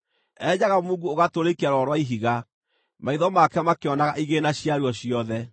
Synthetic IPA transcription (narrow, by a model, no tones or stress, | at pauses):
ɛɲaɣamuːɡuoɣatoɾekiaɾwɔɾwaiɦiɣa | maiðɔmakɛmakeɔnaɣaʔiɣenaɕjaɾuɔɕijɔðɛ